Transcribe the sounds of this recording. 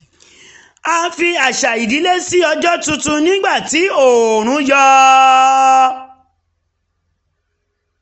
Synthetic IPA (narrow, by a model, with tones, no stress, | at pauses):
a˧fi˧a˨ʃa˨i˨di˨˦le˦si˦ɔ˧d͡ʒɔ˦tũ˧tu˧nĩ˦ɡ͡ba˦˨ti˨˦o˨ɾ̃ũ˨˦jɔ˦